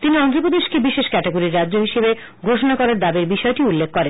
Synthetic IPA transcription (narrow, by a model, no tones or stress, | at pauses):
t̪iniɔnd̪ɾopod̪eʃkebiʃeʃkɛʈeɡoɾiɾːadːʑoɦiʃebe | ɡʱoʃonakɔɾaɾd̪abeɾbiʃɔeʈiulːekʰːkɔɾen